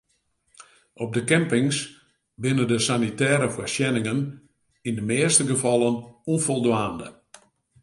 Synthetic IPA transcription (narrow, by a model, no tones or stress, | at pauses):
ʔɔb̚dəkɛmpɪŋs | bɪnəndəsanitɛːɾəfwasjɛnɪŋən | indəmɪːstəɡəfɔlˠənunfɔlˠdwaːndə̰